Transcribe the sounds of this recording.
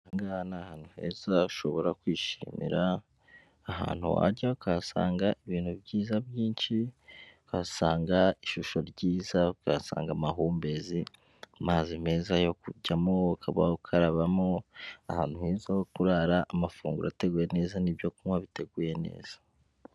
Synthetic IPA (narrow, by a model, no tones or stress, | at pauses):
ŋɡaːnaːhaːn̥huhe̞̰ːzauʃo̞βo̞ɾakwiːʃḭmḭɾaː | ɦa̰ːn̥huwa̰ɾɟaukasa̰ːŋɡaʔiβiːn̥huβɟiːzabjiːnʃikasaːŋɡaiʃuʃo̞ɾɟiːzaka̰sa̰ːŋɡamaɦuːmbe̞zi | mazime̞ːzajo̞kuɟamo̞kʰaβa̰okʰaɾaβamo̞ahaːn̥huheːzajokuɾaɾaʔːmafuːŋɡuɾa̰te̞ɡuːje̞ne̞ːzanibjo̞kumwaβite̞ɡuːje̞ne̞̰ːz̥ḁ